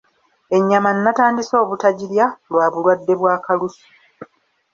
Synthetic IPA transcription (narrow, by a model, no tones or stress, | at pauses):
e̞ɲːamanːataːndiso̞ːβutaɟiljalwaːβulwadːe̞βwaːkalusu̥